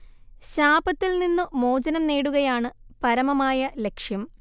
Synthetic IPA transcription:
ɕaːbɐt̪ːilninːumo̞ːd͡ʑɐnɐmneːɽuɣɐjaːɳɨpɐɾɐmɐmaːjɐle̞kʂjɐm

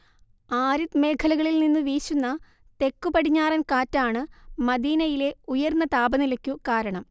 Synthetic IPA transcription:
aːɾut̪me̞ːkʰɐlɐɣɐɭilninːɨʋiːɕunːɐ | t̪e̞kːupɐɽiɲːaːrɐnkaːtːaːɳɨmɐd̪iːnɐjile̞ujɐrnːɐt̪aːbɐnilɐkʲːukaːɾɐɳɐm

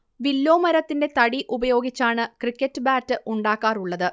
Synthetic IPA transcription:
ʋilːo̞ːmɐɾɐt̪ːinde̞t̪ɐɽiʔubɐjo̞ːɡit͡ɕːaːɳɨkrikʲːɐtːɨbaːtːɨʔuɳɖaːkːaːruɭːɐðɨ

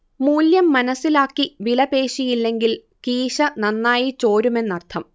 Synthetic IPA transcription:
muːljɐmːɐnɐsːilaːkːiʋilɐpe̞ːʂijilːe̞ŋɡil | kiːɕɐnɐnːaːjit͡ɕo̞ːɾume̞nːɐrt̪ʰɐm

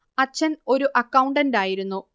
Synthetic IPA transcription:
ɐt͡ɕːɐno̞ɾuʔɐkːɐwuɳɖɐndaːjiɾunːu

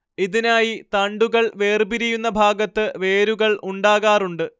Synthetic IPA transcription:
iðinaːjit̪aɳɖuɣɐɭʋe̞ːrbiɾijunːɐbʱaːɡɐt̪ːɨʋe̞ːɾuɣɐɭuɳɖaːɣaːruɳɖɨ

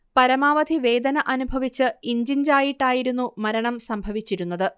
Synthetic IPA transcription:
pɐɾɐmaːʋɐd̪ʱiʋe̞ːd̪ɐnɐʔɐnubʱɐʋit͡ɕːɨiɲd͡ʑind͡ʑaːjiʈːaːjiɾunːumɐɾɐɳɐmsɐmbʱɐʋit͡ɕːiɾunːɐðɨ

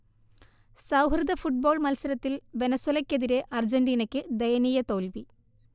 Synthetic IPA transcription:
sɐwɦrɨd̪ɐfuʈ̚bo̞ːɭmɐlsɐɾɐt̪ːilʋe̞nɐsuwɐlɐkʲːe̞ðiɾe̞ʔɐrd͡ʑenɖiːnɐkʲːɨd̪ejɐniːjɐt̪o̞ːlʋi

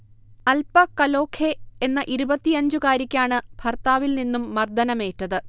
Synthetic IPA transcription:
ɐlpɐkɐlo̞ːkʰeenːɐʔiɾubɐt̪ːiɐɲd͡ʑukaːɾikʲːaːɳɨbʱɐrt̪aːʋilninːumːɐrd̪ɐnɐme̞ːtːɐðɨ

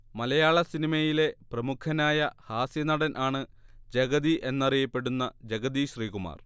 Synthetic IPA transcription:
mɐlɐjaːɭɐsinimɐjile̞prɐmukʰːɐnaːjɐhaːsjɐnɐɽɐnʔaːɳɨd͡ʑeɡɐðiʔe̞nːɐrijɐpːe̞ɽunːɐd͡ʑeɡɐd̪iɕriːɣuma̰ːr

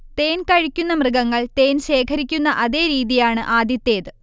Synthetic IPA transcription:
t̪eːnkɐɻikʲːunːɐmrɨɡɐŋːɐɭt̪e̞ːnɕe̞ːkʰɐɾikʲːunːɐʔɐðe̞ːɾiːðijaːɳɨʔaːd̪ʱjɐt̪ːeːðɨ

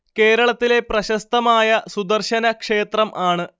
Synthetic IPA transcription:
ke̞ːɾɐɭɐt̪ːile̞prɐɕɐst̪ɐmaːjɐsud̪ɐrɕɐnɐkʂe̞ːt̪rɐmʔaːɳɨ

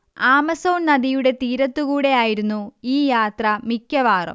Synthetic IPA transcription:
aːmɐso̞ːnnɐd̪ijuɽe̞t̪iːɾɐt̪ːukuːɽe̞jaːjiɾunːuiːjaːt̪rɐmikʲːjɐʋaːrɐ̰m

